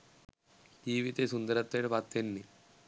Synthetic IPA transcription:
d͡ʒ̪iːʋit̪esund̪əɾɐt̪ːʋeʈpat̪ːenːi

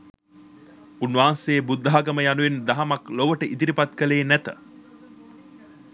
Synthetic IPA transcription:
unːʋaːnsejːbud̪ːaɦaɡəməjanuʋend̪aɦamakloʋəʈəʔit̪iɾipat̪kəleːnæt̪ə

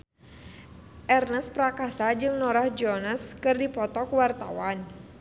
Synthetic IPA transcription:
ʔɛrnəspɾakasad͡ʒɨŋnɔɾahd͡ʒɔnaskɨrdipɔt̪ɔkwart̪a̰wan

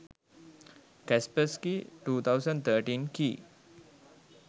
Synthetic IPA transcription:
kɛspəskiʈuːt̪ʰawsəɳɖt̪ʰəɾʈiːnkiː

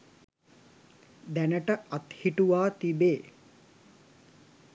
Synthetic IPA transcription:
d̪ænəʈəat̪hiʈuʋaːt̪ibeː

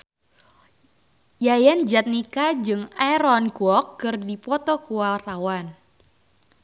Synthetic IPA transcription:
jajand͡ʒat̪̚nikad͡ʒɨŋaɾɔnkuɔkːɨrdipɔt̪ɔkuat̪awan

